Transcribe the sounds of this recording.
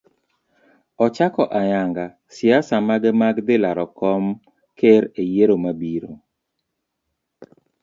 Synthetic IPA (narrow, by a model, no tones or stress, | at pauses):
ɔt͡ʃakɔʔajaŋɡa | sɪasamaɡɛmaɡdɪlaɾɔkɔm | keɾejeɾomabiɾo